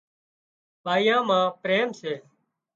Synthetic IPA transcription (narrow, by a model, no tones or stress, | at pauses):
paːjãːmãːpɾeːmseː